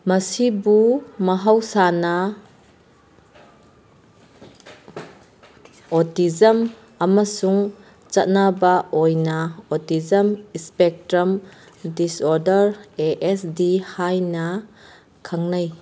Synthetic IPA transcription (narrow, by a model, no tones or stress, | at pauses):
mɐsibumɐɦawsanɐ | ɔtizɐm | ɐmasuŋ | t͡ʃat̚nabaɔjnɐɔtizɐmispɛk̚tɾɐm | disɔɾdɐɾeʔɛsdihajnɐ | kʰaŋnaj